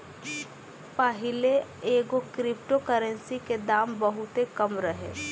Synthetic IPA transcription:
pəɦɪleeːɡokɾɪp̚ʈokəɾə̃nsiked̪aːmbɐɦʊt̪ɦekɐmɾɐɦḛː

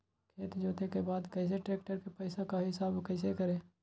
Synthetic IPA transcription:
kʰeːt̪d͡ʒoːt̪ekebaːd̪kɛɪs̬eʈeːk̚ʈəɾkepɛːɪsakaɦɪsaːbkɛɪs̬ekəɾẽː

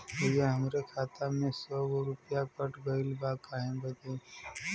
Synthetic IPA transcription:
ojaɦəmɾekʰaːt̪amẽsɔɡoɾʊpjakəʈɡəɪlbakaɦẽbəd͡ʒ̪e

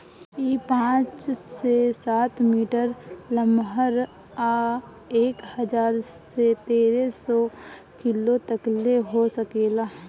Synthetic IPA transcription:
iːpãːt͡ʃsesaːt̪ʰmiːʈəɾləmɦəɾ | aː | eːkhəd͡ʒaːɾsset̪eːɾesɔ | kɪlot̪əkleɦosəkeːlaː

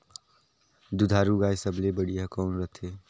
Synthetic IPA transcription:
d̪ud̪ʱaɾuɡaːjsəblebəɽiəkɔːnɾət̪ʰe

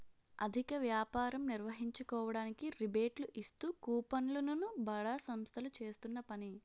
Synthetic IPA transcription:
ɐd̪ʱikɐʋjaːpaːɾɐmniɾʋɐɦiɲt͡ʃukɔːʋɐɽaːnikiɾibeːʈluʔist̪uːkuːpɐnlɐnunubɐɭaːsɐmst̪ʰɐlut͡ʃe̞ːst̪unːɐpɐni

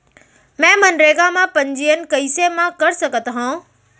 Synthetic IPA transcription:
mɛ̃ːmɐnɾeːɡamãpɐ̃ɲd͡ʑiːənɪ̆kɐiːsemãkɐɾsɐɡʱət̪ɦõː

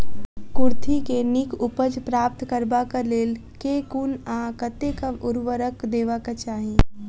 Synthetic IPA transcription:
kʊɾt̪ʰikenikʊpəd͡ʒpɾaːp̚t̪kəɾbakəleːlkekunãkət̪ekəʊɾʋəɾəkd̪eːʋakat͡ʃaːɦi

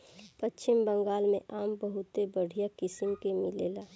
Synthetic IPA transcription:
pətːt͡ʃʰɪmbə̃ŋɡaːlmẽʔaːmbəɦʊt̪ebəɽ̤ijakɪsɪmkemɪleːlaː

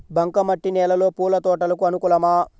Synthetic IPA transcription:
bʱɐŋkɐmɐʈːinɛːlɐlo̞ːpuːlɐt̪ɔːʈɐlɐkuɐnukulɐmaː

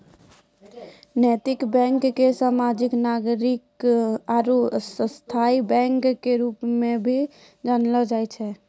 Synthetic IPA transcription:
nɛt̪ikbɛ̃ŋkːesamad͡ʒiknaɡɾikaɾosəst̪ʰaibɛ̃ŋkːeɾupmẽbʱi | d͡ʒanlɔd͡ʒajt͡ʃʰɛ

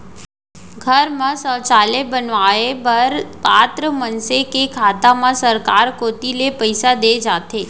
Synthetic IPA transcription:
ɡʱəɾmãsə̃ːt͡ʃaːlebənʋaebəɾpaːt̪ɾəmənsekekʰaːt̪amãsəɾkaːɾkoːt̪ilepəɪsad̪ed͡ʒaːt̪e

